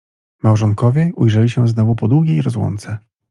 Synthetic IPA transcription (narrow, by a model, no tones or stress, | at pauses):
mawʐɔŋkɔvʲjɛʔujʐɛlʲiɕɛznɔvupɔd̪wuɡʲejɾɔzwɔ̰nt̪sɛ